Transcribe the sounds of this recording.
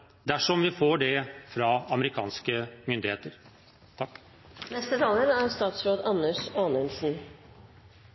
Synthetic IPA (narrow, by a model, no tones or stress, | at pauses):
d̪æʂɔmʋɪfoːɖɛfɾɑɑməɾɪkʰɑ̰ːnskəmʏnd̪ɪheːt̪əɾ | t̪ʰɑkː | nɛst̪ət̪ʰɑːləɾæɾst̪ɑːt̪sɾoːd̪ɑnːəʂɑːnənsn̩